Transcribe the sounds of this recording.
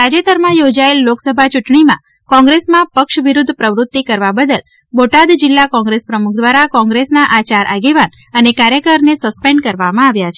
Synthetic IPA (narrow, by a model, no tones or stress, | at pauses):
ɾad͡ʒet̪əɾmãjod͡ʒaelːoksəbʱat͡ʃuʈɳimã̰ | kɔ̃ŋɡɾesmãpəkʃʋiɾud̪ʱpɾəʋɾut̪ːikəɾʋabəd̪əl | boʈad̪d͡ʒɪlːakɔ̃ŋɡɾespɾəmuk̚ʰd̪ʋaɾakɔ̃ŋɡɾesnaʔat͡ʃaɾʔaɡeʋan | ənekaɾjəkəɾnesəspẽɳɖkəɾʋamãaʋjat͡ʃʰe̥